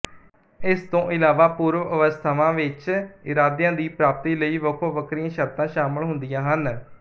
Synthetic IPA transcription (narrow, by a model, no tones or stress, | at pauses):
ɪst̪õːʔɪlaːʋaːpuːɾʋəʋəst̪ʰəʋãːʋɪt͡ʃɪɾaːd̪jãːd̪iːpɾaːp̚t̪iːləiːʋəkʰoːʋəkʰɾiːãːʃəɾt̪ãːʃaːməlɦʊ̃nd̪ijãːɦən